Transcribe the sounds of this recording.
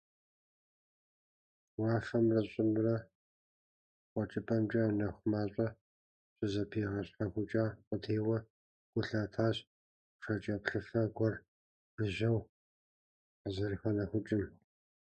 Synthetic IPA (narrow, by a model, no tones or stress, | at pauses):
wɑːfɐmrɐɕʼɪmrɐ | qʷʼɔt͡ʃʼɪpʼɐmt͡ʃʼɐnɐxʷmaːɕʷʼɐ | ɕʼɨzɐpʰiːʁɐɕʼħaxʷʊt͡ʃʼaːqʷʼədʰeːwɐ | ɡ̥ʷʊɬaːtʰaːɕ | ʂɐt͡ʃʼɐpɬɨfɐɡʷɔr | b̥ɨʑɐw | ħəzɨrxɐnɐxʷʊt͡ʃʼɪm